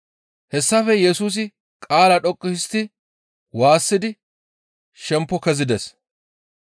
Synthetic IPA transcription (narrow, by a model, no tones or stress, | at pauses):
hɛsːɐfɛjɛsuːs̬ɪ | kʼaːlɐᶑɔkʼːɪst̪ɪ | waːsːɪd̪ɪ | ʃɛmpːɔkɛzɪd̪ɛs